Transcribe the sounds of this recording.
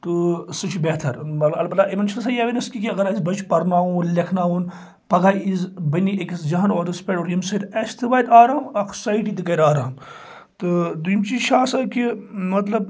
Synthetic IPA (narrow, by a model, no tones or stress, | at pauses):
t̪ɨsɨt͡ʃʰbeːt̪ʰɐɾmɐt̪lɐɐlbɐlaːʔimɐnt͡ʃʰinsaːjaːʋinɐskikiɐɡɐɾizbɐt͡ʃʰpɐɾnaːuːnlʲekʰnaːũːn | pɐɡaːjizbɐnieksd͡ʒɐɦanoːd̪ɐspʲeʈoɾjimsɐd̪ɐst̪ʰɨʋaːjd̪aːɾaːmɐkʰsɐiʈid̪ɨkɐɾaːɾaːm | t̪ɨd̪ujimt͡ʃizʃaːsɐkimɐt̪lɐb̚